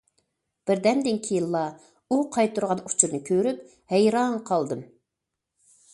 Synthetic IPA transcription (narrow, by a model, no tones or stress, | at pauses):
b̥ɪɾd̪ɛmd̪ɪŋkʲʰijilˠːɑ | uqʰɑjt̪ʰːuɾʁɑnu̥t͡ʃʰuɾnɨkʲʰøɾyp̚ | hɛjɾɑŋqʰɑlˠd̪ɨm